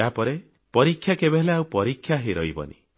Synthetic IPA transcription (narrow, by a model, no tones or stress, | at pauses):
apɔɾe | pɔɾikʰːjakebeɦleaupɔɾikʰːjaɦeɾɔ̰jbɔ̰nḭ